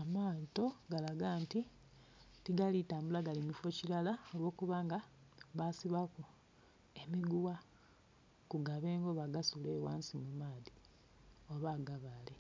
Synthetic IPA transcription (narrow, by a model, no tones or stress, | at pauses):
amaːnto̞ɡalaɡaːnti | tiɡalitaːmbulaɡalimifo̞cilalaolwo̞ːkuβaːŋɡaβasiβaku | e̞miɡuwa | kuɡaβe̞ːŋɡo̞βaɡasule̞waːnsimumaːði | oβaɡaβale̞